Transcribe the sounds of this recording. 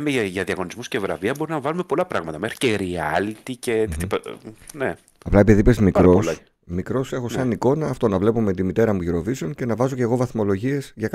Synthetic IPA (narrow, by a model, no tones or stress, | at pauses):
meʝɐðiɐɣo̞nizmuscevɾɐ̰viɐbo̞ɾinɐvɐlume̞po̞lɐpɾɐɣmɐt̪ɐmexɾi̥ceɾiɐlit̪iceipne | ɐplɐe̞piðipezmikɾo̞s | mikɾo̞se̞xo̞ssɐniko̞nɐːft̪o̞nɐvle̞po̞me̞t̪imit̪e̞ɾɐmuʝiɾo̞viseo̞nce̞nɐvɐzo̞ceɣo̞vɐθmo̞lo̞ʝie̞sʝɐk